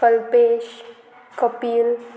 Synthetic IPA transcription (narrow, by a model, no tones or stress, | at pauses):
əlpeːʃ | kəpiːl